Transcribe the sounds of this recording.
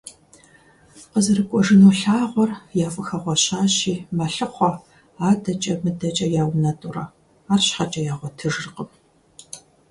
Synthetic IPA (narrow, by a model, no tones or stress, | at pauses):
qəzɨrɨkʷʼɔʒɨnuːɬaːʁʷɔrjaːfʼɨxɐʁʷɔɕaːɕiːmɐɬɨχʷɔ | aːdɐt͡ʃʼɐmɨdɐt͡ʃʼɐjaːwnɐtʼurɐ | aːrɕħat͡ʃʼɐjaːʁʷɔtʰɨʐrqəm